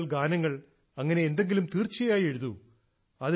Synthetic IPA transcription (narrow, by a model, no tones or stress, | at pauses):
ɭɡaːnɐŋːɐɭ | ɐŋːɐne̞end̪e̞ŋɡilumt̪iːrt͡ɕːɐjaːje̞ɻuðu | ɐð